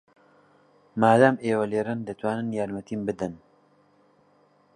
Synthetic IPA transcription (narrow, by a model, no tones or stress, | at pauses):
maːd̪aːmeːwɐleːɾɨnd̪ɨt̪waːnɨnjaːɾmɐt̪iːmbɨd̪ɨn